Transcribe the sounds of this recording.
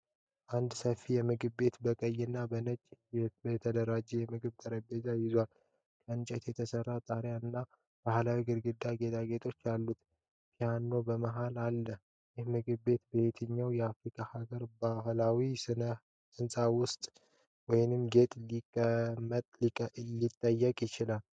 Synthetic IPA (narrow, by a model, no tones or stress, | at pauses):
ʔand̪səfːijɛmɨɡɨβːe̞t̪bəkʼəjːɪnːabənət͡ʃʼɛbt̪ʰəd̪əɾad͡ʒːɛjɛmɨɡɨβt̪ʰəɾəbezajɪzwal | kʼəɨnt͡ʃʼɛt̪jɛt̪ʰəsərːat̪ʼaɾjaɨnːa | b̥ahlawiɡɨɾɡɨd̪ːaɡe̞t̪ʰʼaɡe̞t̪ʰo̞t͡ʃːalːut̪ | hihanːo̞bəmaɦalalːə | jɪhmɨɡɨβːe̞t̪bəet̪ʰɨɲːawjɛafɾikʰʼahaɡəɾbaɦlawisɨnə | ɨnsʼawʊst̪ʼ | wɔjnɨmɡe̞t̪ʼlikʼːəmət̪ʼlilit̪ʼːəjːəkʼjɪt͡ʃɪlal